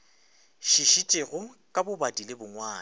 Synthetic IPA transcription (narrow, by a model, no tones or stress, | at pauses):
ʃiʃit͡ʃʼeɣʊ | kʼabʊbadilebʊŋwaː